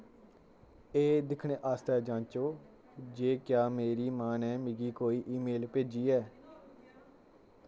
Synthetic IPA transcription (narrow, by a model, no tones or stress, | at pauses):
eːd̪ɪkʰɽeːʔaːst̪ɛːd͡ʒãːnt͡ʃoː | d͡ʒeːkjaːmeːɾiːmaːnɛːmɪɡiːkoːiːʔiːmeːlpeːd͡ʒiːɛː